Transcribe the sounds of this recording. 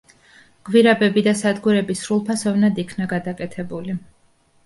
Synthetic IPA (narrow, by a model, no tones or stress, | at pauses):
ɡ̥wiɾabɛbid̪asad̪ɡuɾɛbisɾulˠpʰasɔvnad̪ikʰnaɡad̪akʼɛt̪ʰɛbuli